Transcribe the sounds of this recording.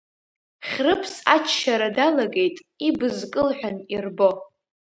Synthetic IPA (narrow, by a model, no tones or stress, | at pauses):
χʲrɨpʰsat͡ʃʰʃaɾadalaɡe̞jtʼ | ibɨzkʼɨlħʷᶣanirbo̞